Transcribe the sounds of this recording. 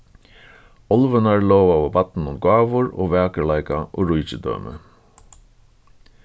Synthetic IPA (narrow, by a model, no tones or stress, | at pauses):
ɔlʋənaɹlɔːʋaʋɔbat̪n̩ʊmɡaːʋʊɹo̰ːʋæːkəɭaɪkaʔo̰ːɾʊjt͡ʃɪd̪œ̰ːmʔə̰